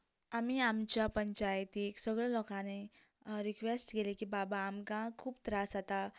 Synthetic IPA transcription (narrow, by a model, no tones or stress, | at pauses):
amiamt͡ɕjapəɲt͡ɕajt̪iːksəɡɭəlɔkãne | ɾikʋesʈkelekiːbabaːmkãkʰuːpt̪ɾasat̪a